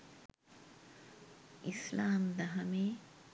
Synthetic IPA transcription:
islaːmd̪ɐɦɐmeː

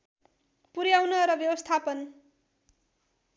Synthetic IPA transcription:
puɾjawnʌɾʌbjʌbʌst̪ʰapʌn

